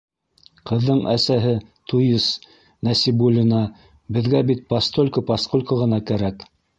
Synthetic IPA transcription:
qɤ̆ðːɤɴʔæsæɦɘt̪ujɤs | næsibulʲinɑ | bɘ̆ðɡæbit̪̚past̪olʲkɤpɑsqolʲkoʁɤ̆nɑkæɾæk

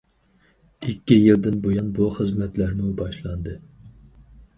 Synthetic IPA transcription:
ikʲːijild̪ɪnbojɑnbuχəzmɛt̪læɾmubɑʃlˠɑnd̪ɨ

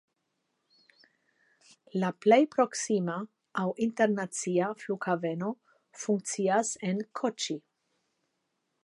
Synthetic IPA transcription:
laple̞jpɾo̞ksimaː | winte̞ɾnat͡siaflukhave̞no̞ | fuŋk̚t͡siase̞nkʰot͡ʃi

